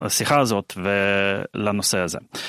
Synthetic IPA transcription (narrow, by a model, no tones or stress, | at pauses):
asiχazo̞t̪velano̞seazḛ